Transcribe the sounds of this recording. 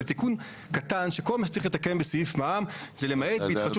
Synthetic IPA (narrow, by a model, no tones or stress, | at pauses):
et̪ikun | kat̪anʃeko̞lmaʃ̬e̥t͡saʁiχlet̪akembesijifmamzelemaet̪beitχat͡ʃu